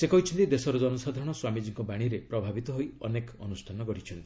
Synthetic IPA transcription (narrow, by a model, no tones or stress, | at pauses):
sekɔɦit͡ʃʰɔnt̪id̪esɔɾɔd͡ʒɔnɔsad̪ʱaɾɔɽ̃ɔswamid͡ʒiŋkɔbaɽ̃iɾepɾɔbʱabit̪ɔɦojɔ̰nekɔ̰nusʈʰanɔkɔɽ̤it͡ʃʰɔnt̪i̥